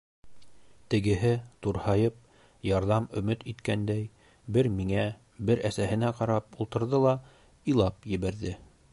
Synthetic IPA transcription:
t̪ɘ̆ɡɘ̆ɦɘt̪uɾhɑjɤp̚ | jɑɾðɑmɵ̆mɵt̪it̪kænd̪æj | bɘɾmiŋæ | bɘɾʔæsæhɘ̆næqɑɾɑp̚ulˠt̪ɤ̆ɾðɤlˠɑ | ilˠɑpjɘ̆βæɾðɘ

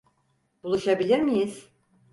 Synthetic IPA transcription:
b̥ulˠuʃabilʲiɾmijiz̥

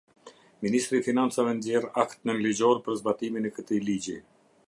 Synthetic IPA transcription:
minist̪ɾifinant͡savɛnd̪jɛɾakt̪nənlid͡ʑɔɾpəɾzbat̪iminɛkət̪ilid͡ʑi

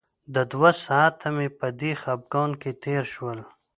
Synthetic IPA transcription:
d̪əd̪wasaːt̪ʰamepəd̪ixab̚ɡawnket̪eːɾʃwəl

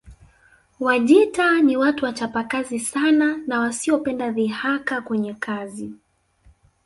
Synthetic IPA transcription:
waʄitaniwatuwat͡ʃapakazisananawasiɔpɛndaðihakakwɛɲɛkʰazi

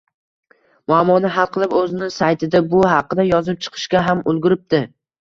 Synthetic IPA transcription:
mʊamːɒnɪɦalˠqʰɨlˠɪpɵzɪnɪsajt̪ʰɪd̪abʊhɑqːɨd̪ajɒzɪp̚t͡ʃʰɨ̥qʰɨ̥ʃkʲaɦamʊlˠɡʲʊɾɪp̚d̪̥ɪ

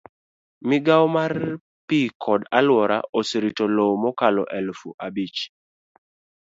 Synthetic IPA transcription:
mɪɡawmar | pikʰɔdalwɔɾa̰ʔosiɾitɔlowmɔkalɔ̰ʔɛlfuʔabit͡ʃ

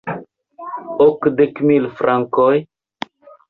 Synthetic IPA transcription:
okd̪ekmilfɾaŋkoj

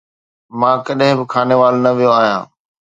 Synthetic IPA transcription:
mãːkɐɗɦɪ̃bɪkʰaːneʋaːlnɐʋijoaːɦijã̰ː

